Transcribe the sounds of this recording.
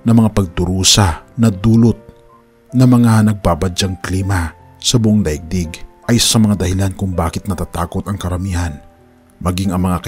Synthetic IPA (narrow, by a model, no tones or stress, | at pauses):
nɐmɐŋapɐɡ̚d̪ʊɾuːsɐnɐd̪uːlot̪̚ | nɐmɐŋanɐɡ̚babɐd͡ʒaŋkliːmɐ | sɐbʊʔoŋd̪ɐʔɪɡ̚d̪iɡʔɐjsɐsɐmɐŋad̪ɐhɪlankʊŋbaːkɪt̪̚nɐt̪at̪a̰ːkot̪ɐŋkɐɾɐmiːhɐn | mɐɡiŋɐŋmɐŋakɐ